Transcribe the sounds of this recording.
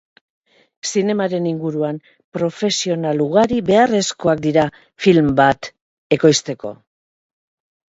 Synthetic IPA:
sine̞maɾe̞niŋɡuɾuam | pɾo̞fe̞sio̞naluɣ̞aɾibe̞are̞sko̞akd̪iɾa | filmbat̪ | e̞ko̞jst̪e̞ko̞̰

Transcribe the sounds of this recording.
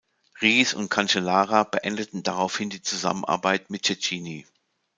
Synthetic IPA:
ʁiːsʊ̰nt̚kʰant͡ʃelaːʁabəʔɛndətn̩daʁaʊfhɪndiːt͡suza̰mənʔa̰ɐbaɪtmɪt̚t͡ʃɛt͡ʃiːni

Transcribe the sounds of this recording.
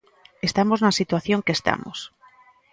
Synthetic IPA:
est̪amoznasit̪waθjõŋkest̪a̰mo̰s

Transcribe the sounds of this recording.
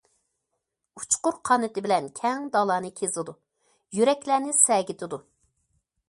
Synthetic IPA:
u̥t͡ʃqʊɾqʰɑːnɨt̪ɪbɪlɛnkʲʰɛŋd̪ɑlˠɑːnɨkʲʰezɨd̪u | jyɾɛkʲlæːnɪsɛɡʲɪt̪ʰɨd̪u

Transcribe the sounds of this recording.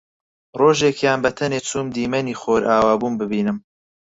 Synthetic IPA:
roːʒeːkʰjaːnbɐt̪ʰɐneːt͡sʰuːmd̪iːmɐniːxoɾʔaːwaːbuːnbɨbiːnɨm

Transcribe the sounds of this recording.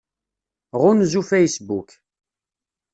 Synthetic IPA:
ʁʊnzufæjsbuk

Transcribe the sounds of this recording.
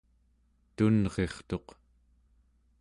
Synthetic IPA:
t̪unʁe̞χt̪o̞q

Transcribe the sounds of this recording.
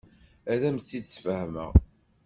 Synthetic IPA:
æðæmt͡sːisfəhmə̰ʁ

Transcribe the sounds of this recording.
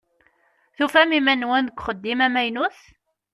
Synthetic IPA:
θufæmimænwænðəɡʷχəd̪ːimæmæjnuθ

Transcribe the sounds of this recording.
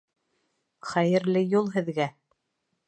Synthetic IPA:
χæjɘ̆ɾlɘjulˠɦɘ̆ðɡæ

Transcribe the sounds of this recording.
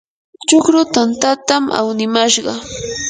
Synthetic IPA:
t͡ʃʊkɾʊt̪ant̪at̪amʔa̰wnɪmaʃɢɑ

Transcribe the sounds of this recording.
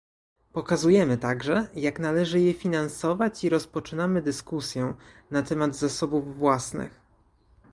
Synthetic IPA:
pɔkazujɛmɘt̪aɡʐɛjaknalɛʐɘjɛfʲinansɔvat͡ɕiɾɔspɔt͡ʂɘnamɘd̪ɘskusʲjɛ | nat̪ɛmad̪zasɔbuvːwasnɘ̰x

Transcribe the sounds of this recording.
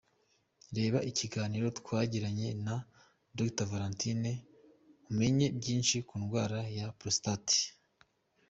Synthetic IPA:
ɾe̞ːβaʔiciɡaːniɾo̞tkwaːɟiɾaɲe̞na | doktavaɾantine | ume̞ɲe̞bɟiːnʃikuːnɡwaːɾajapɾostati̥

